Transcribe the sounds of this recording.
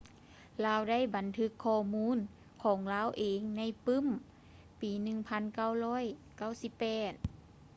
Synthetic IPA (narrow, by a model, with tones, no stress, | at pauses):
laː˧˥˨wda˥˩˨jba˨˦nt̪ʰɯ˧˥kʰːɔː˧˩muː˧˥˨n | kʰɔː˨˩˦ŋlaː˧˥˨wʔeː˨˦ŋna˧˥˨jpɯ˧˥˨m | piː˨˦nɯ˧ŋpʰa˧˥˨nka˧˥˩wlɔː˧˥˨j | ka˥˩˨wsi˧˥˦pːɛː˨˩t̪̚